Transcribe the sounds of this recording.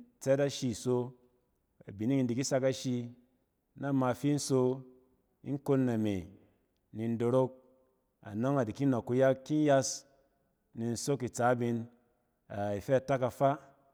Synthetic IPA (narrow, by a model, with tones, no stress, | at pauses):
t͡se˦ta˦ʃi˧˨so˧ | a̰˨bi˨ni˦i˧n˦di˨ki˦sa˧ka˦ʃi˧ | na˦ma˧fi˦n̩˦so˧ | ḭ˦ŋ˦ko˦nːa˨mḛ˨ | ni˧n̩˦do˨ɾo˦k̚ | a̰˨no˦ŋa˨di˨ki˦no˨kːu˧ja˦kːi˦n˦ja˦s | ni˨n̩˦so˦ki˨t͡sa˨˦bi˧n | a˨i˨fe˦a˨ta˦ka˧fa˦